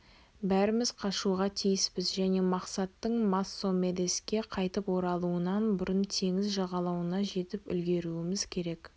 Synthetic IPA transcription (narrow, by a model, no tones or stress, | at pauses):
bæɾɪmɪz̥qʰɑʃuʁɑt̪ʰijɪspɪzʒæne̞mɑqsɑt̪ːəɴmasːo̞me̞d̪e̞skʲe̞qʰɑjt̪əpwo̞ɾɑlˠuənɑnbʊɾənt̪ʰe̞ŋɪzʒɑʁɑlˠɑwənɑʒe̞t̪ɪpʏ̰lɡʲe̞ɾuɪmɪz̥kʲʰe̞ɾe̞k